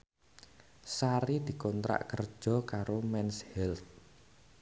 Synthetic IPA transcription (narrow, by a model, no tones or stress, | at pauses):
saɾid̪̥i̤kɔnt̪ɾa̰ʔkərd̥ʒ̥ɔ̤kaɾomɛnshɛlt̪̚